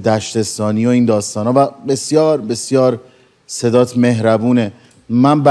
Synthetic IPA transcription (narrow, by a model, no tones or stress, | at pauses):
d̪æʃt̪est̪ɒːniːo̞iːnd̪ɒːst̪ɒːnhɒːvæbe̞sjɒːɾbe̞sjɒːɾ | se̞d̪ɒːt̪ʰme̞ɦɾæbuːne | mænbæ